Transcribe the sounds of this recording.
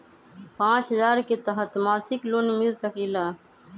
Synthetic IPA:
pãːt͡ʃɦəzaːɾket̪əɦət̪maːsɪkloːnmɪlsəkiːlaː

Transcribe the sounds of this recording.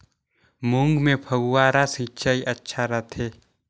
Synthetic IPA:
mʊŋɡmẽpʰəɡwaːɾasĩt͡ʃaiʔətːʃʰaɾət̪ʰeː

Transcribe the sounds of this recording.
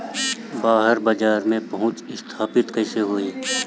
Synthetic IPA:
baːɦəɾbaːd͡ʒaːɾmẽpɐɦʊ̃t͡ʃɪst̪ʰaːpɪt̪kəɪseɦoeː

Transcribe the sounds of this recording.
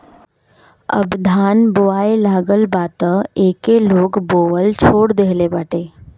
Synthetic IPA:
ə̰bd̪ʱaːnboaːelaːɡəlbaːt̪əeːkeloːɡboːʋəlt͡ʃʰoːɽd̪eɦlebaːʈeː

